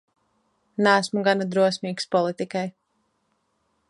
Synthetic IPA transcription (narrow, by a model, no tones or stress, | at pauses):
næːsmuɡanad̪ɾuɔsmiːkspɔlˠit̪ikaj